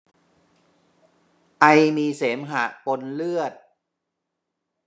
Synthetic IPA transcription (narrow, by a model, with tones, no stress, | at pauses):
ʔa˧jmiː˧seː˩˦mɦa̰˨˩ʔpo˧nlɯ˥˩ət̪̚